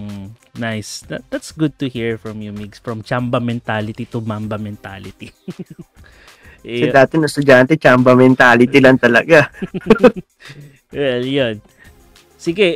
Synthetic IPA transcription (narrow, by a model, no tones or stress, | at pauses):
mnajsd̪ɐd̪at̪sɡʊd̪̚t̪ʊhiɹfɹɔmjumiɡsfɹɔmt͡ʃambɐmɛnt̪alɪt̪it̪umambɐmɛnt̪a̰lɪt̪i | ʔɛd̪aːt̪ɛnɐst̪ʊd͡ʒant̪ɛt͡ʃambɐmɛnt̪aːlɪt̪ilɐŋt̪ɐlɐ̰ɡa | wɛljon | sɪɡɛ